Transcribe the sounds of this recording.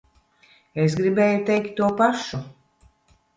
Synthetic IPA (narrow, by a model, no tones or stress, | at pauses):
es̬ɡɾibeːjut̪ɛjk̚t̪ʲːuɔpaʃu